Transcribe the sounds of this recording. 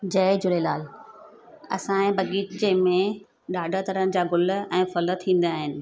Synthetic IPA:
d͡ʑɐːd͡ʑʊlelaːl | ɐ̰sãẽbɐɡiːʈd͡ʑeːmẽ | ɗaːɖʱət̪ɐɾənɪ̆d͡ʑaːɡʊlʊ̆ɛ̃ːfɐlət̪ʰːĩːn̆d̪aaːɦɪnɪ̆

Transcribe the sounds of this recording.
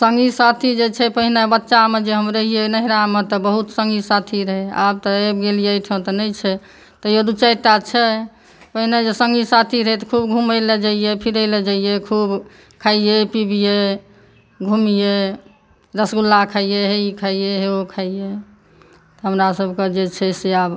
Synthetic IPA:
sə̃ŋɡisat̪ʰid͡ʒet͡ʃʰɛpəɦinebətːʃamed͡ʒeɦəmɾəɦijenəɦiɾamet̪ɔbəɦut̪sə̃ŋɡisat̪ʰiɾəɦɛa̰b̚t̪ɔebɡelijəjt̪ʰõt̪ɔnət͡ʃʰɛ | t̪ɔjod̪ut͡ʃəjt̪at͡ʃʰɛ | pəɦined͡ʒesəŋɡisat̪ʰiɾəɦɛt̪ɔkʰubɡʱuməled͡ʒaijepʰiɾəled͡ʒaijekʰub | kʰaijepibije | ɡʱumije | ɾəsɡulːakʰaijeɦeikʰaijeɦeokʰaije | t̪ɔɦəmɾasəbʱked͡ʒet͡ʃʰɛseab

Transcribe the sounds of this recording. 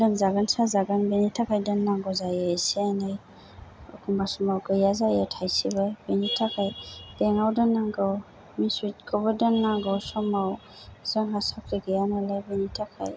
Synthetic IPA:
lɯnzaɡansazaɡanbenitʰakʰajdɯnːaŋɡɔzajɛsiajnaj | ɔ̰kʰumbasɔmawɡɯjazajətʰajsibɯbenitʰakʰajd̥ɛŋawdɔnːaŋɡɯw | misut̚kʰɔbɔdɯnːaŋɡɔwsɔmaw | z̥ɔnɦasakɾiɡɯjanalabenitʰakʰa̰j

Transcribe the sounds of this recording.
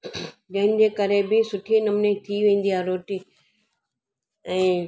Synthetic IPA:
d͡ʑɐɦɪ̃nɪ̆d͡ʑeːkɐɾebɪsʊʈʰinɐmnet̪ʰiʋẽːn̆d̪iɦaːɾoːʈiː | ɛ̃ː

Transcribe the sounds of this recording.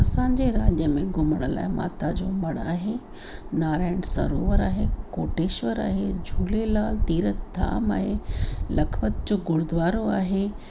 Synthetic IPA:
ɐsãːɲd͡ʑeɾaːd͡ʑəəmẽɡʊməɽ̃əla̰ːɪma̰ːt̪ad͡ʑoːmɐɽ̃a̰ːɦe | naːɾaːɪɽ̃sɐ̰ɾoːʋəɾaːɦekoːʈeːʃʋəɾa̰ːɦed͡ʑʱuːlelaːlt̪iːɾət̪d̪ʱa̰ːma̰ːɦelɐkʰʋət̪d͡ʑoːɡʊɽd̪ʋaːɾoaːɦe

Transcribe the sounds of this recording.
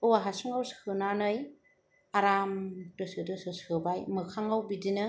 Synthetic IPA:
ɯwaɦasuŋawskʰɯnanɯj | aɾamtɯsɯdɯsɯskʰɯbajmɯkʰaŋawbidinɯ

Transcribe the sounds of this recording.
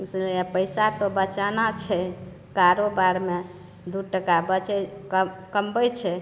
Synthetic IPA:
səapəjsat̪obət͡ʃanat͡ʃʰɛ | kaɾobaɾme | d̪uʈəkabət͡ʃɛ | kəmbəjt͡ʃʰɛ

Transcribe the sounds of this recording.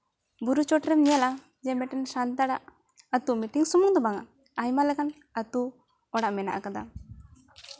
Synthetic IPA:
buɾut͡ʃɔʈɾɛmɲɛla | d͡ʒɛmɛʈɛnsant̪aɽaʔ | at̪umiʈiŋsumuŋd̪ɔbaŋaʔ | ajmalɛkan | at̪u | ɔɽaʔmɛna̰ʔakad̪a̰

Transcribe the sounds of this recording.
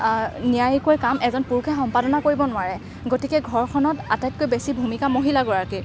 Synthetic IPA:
nijajikoɹkamɛzɔnpuɹkʰɛxɔmpadɔnakoɹibɔnʊwaɹɛ | ɡotikɛɡʱɔɹkʰɔnɔtatajt̚kojbesibʱumikamoɦilaɡɔɹaɹke

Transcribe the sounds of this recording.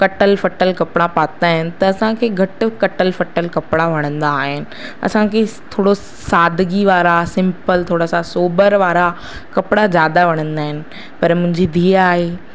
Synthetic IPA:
kɐʈəlfɐʈəlkɐpɪɽapaːt̪aːɦɪnɪ̆t̪ɐɐsãkʰeːɡʱɐʈɪ̆kɐʈəlfɐʈəlkɐpɪɽaʋɐɽ̃ə̃nd̪aːɦɪnɪ̆ɐ̰sãkʰet̪ʰoːɽo | saːd̪ʱɡiʋaːɾasɪ̃mpəlt̪ʰoːɽasãsoːbəɾʋaːɾa | kɐpɽazjaːd̪aʋɐɽ̃ə̃nd̪aːɦɪnɪ̆ | pɐɾmʊ̃ɦɪ̃ɲd͡ʑid̪ʱiːaːɦeː

